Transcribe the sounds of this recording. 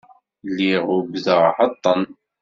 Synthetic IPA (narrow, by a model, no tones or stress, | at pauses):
lːiʁʊbðəʁħɑt̪ˤːən